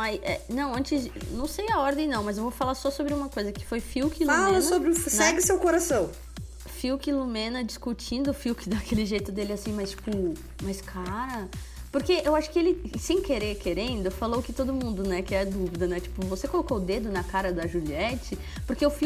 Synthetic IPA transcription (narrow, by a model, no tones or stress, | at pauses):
majsɛ̰nɐ̃w̃ɐ̃nt͡ʃɪznɐ̃w̃sejɐɔɾd̪ẽj̃nɐ̃w̃mɐzewvofalaɾsɔsobɾɪũmɐkojzɐkɪ̥fojfiwkilual̃ɐsobɾɪʊfnsɛɡɪsewkoɾasɐ̃w̃ | fiwkilumẽnɐd͡ʒiskut͡ʃĩnd̪ʊfiwkɪd̪ɐkʰelɪʒejt̪ʊd̪elɪasĩmajst͡ʃi̥pʊ | majskʰaɾɐ | poɾkeʔewaʃʊ̥kɪelɪsẽj̃keɾeɾkeɾẽnd̪ʊfalowkɪt̪od̪ʊmũnd̪ʊnɛkɪɛd̪uvid̪ɐnɛt͡ʃi̥pʊvosekolokoʊd̪ed̪ʊnɐkaɾɐd̪ɐʒuliɛt͡ʃɪ | poɾkeʊfi